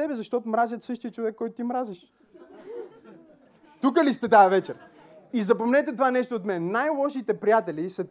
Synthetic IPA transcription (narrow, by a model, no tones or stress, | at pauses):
ɛbɛzɐʃt̪ɔt̪omɾazʲjət̪sɤʃt̪ijət͡ʃovɛkːɔjt̪ʊt̪imɾaziʃ | t̪ukəlist̪ɛt̪ajɐvɛt͡ʃɛɾ | izɐpomnɛt̪ɛt̪ovanɛʃt̪oːt̪mɛnːajlˠɔʃit̪ɛpɾijat̪ɛlisɐ